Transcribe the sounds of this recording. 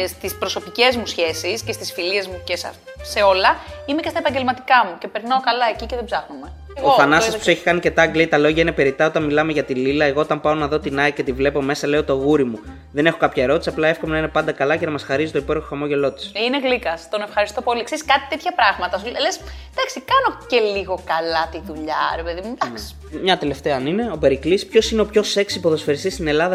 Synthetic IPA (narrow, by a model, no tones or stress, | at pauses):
st̪ispɾo̞so̞pice̞zmusçe̞sisce̞st̪isfiliezmucesɐ̰ | se̞o̞lɐime̞ce̞st̪ɐepɐɲɟe̞lmɐt̪ikɐmuce̞pe̞ɾnɐo̞kɐlɐe̞ciceðebzɐxnume̞ | eɣoofɐnɐssɐsu̥seçi̥kɐnice̞t̪ɐɡleit̪ɐlo̞ʝɐinepe̞ɾit̪ɐo̞t̪ɐnmilɐmeʝɐt̪ililɐeɣo̞ot̪ɐmpɐo̞nɐðo̞t̪inɐice̞t̪ivle̞po̞me̞sɐle̞o̞t̪o̞ɣuɾimu | ðe̞ne̞xo̞kɐpçɐeɾo̞t̪isiɐplɐe̞fko̞menɐinepɐnd̪ɐkɐlɐce̞nɐmɐsxɐɾizit̪oipeɾoxoxɐmo̞ʝe̞lo̞t̪i̥sineɣlikɐst̪onefxɐɾist̪o̞po̞likseiskɐt̪i̥t̪et̪çɐpɾɐɣmɐt̪ɐsules | d̪̥ɐksikɐnoce̞liɣo̞kɐlɐt̪iðuʎɐ̰ɾepeðimud̪ɐksi̥ | mɲɐt̪ele̞ft̪eɐːnine̞o̞pe̞ɾiklispço̞sineopço̞se̞ksipo̞ðo̞sfe̞ɾist̪ist̪ine̞lɐðɐ